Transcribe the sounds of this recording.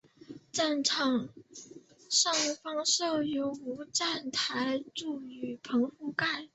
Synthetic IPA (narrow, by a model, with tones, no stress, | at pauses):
ʈ͡ʂa˥˩nʈ͡ʂʰɑ˨˩ŋ | ʂɑ˥˩ŋfɑ˥ŋʂo˥˩ʊjo˧˥ʊu˧˥ʈ͡ʂa˥˩nt̪ʰa˧˥ɪʈ͡ʂu˥˩y˨˩pʰɤ˧˥ŋfu˥˧ka˥˩ɪ